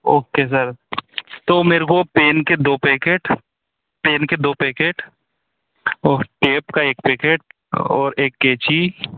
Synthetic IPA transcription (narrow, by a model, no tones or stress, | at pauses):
oːkes̬əɾ | t̪oːmeːɾkopeːnked̪oːpeːkeːʈ | peːnked̪oːpeːkeːʈ | ɔːɾʈeːpkaeːkpeːkeːʈ̚ | ɔ̰ːɾeːkːeːt͡ʃi